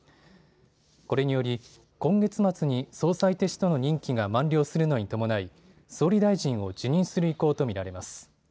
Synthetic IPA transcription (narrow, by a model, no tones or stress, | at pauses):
ko̞ɾe̞ɲ̟ijo̞ɾʲi | kõ̞ŋɡe̞t͡sɨmat͡sɨɲ̟iso̞ːsait̪e̞ɕt̪o̞no̞ɲ̟ĩŋkʲiɡamãnɾʲo̞ːsɨɾɯ̟no̞ɲ̟it̪o̞mo̞nai | so̞ːɾʲid̪aiʑĩɰ̃o̞d͡ʑɨɲ̟ĩɰ̃sɨɾɯ̟iko̞ːt̪o̞mʲiɾaɾe̞masɨ̥